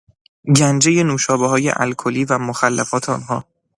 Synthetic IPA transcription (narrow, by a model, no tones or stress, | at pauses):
ɟænd͡ʒe̞je̞nuːʃɒːbeɦɒːjḛʔæ̰lkʰoliːvæmoxælːæfɒːt̪ʰeɒ̰nɦɒː